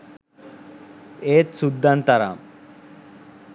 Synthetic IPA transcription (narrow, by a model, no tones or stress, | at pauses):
eːt̪sud̪ːant̪aɾa̰m